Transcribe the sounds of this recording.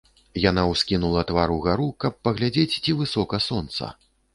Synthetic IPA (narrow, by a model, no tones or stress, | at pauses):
janawskʲinulˠɐt̪vaɾuɣaɾukɐpːɐɣlʲad͡zʲet͡sʲt͡sʲivɨsɔkɐsɔnt̪sɐ̰